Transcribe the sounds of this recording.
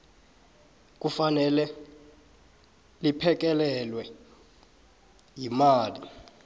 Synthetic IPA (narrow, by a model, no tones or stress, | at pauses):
k̬ʼufanɛlɛ | lipʰɛk̬ɛlɛlwɛ | jimaːli